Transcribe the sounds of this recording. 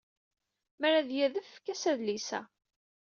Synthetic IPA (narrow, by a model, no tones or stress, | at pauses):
mæɾæðjæðəffkːæsæðlisæ̰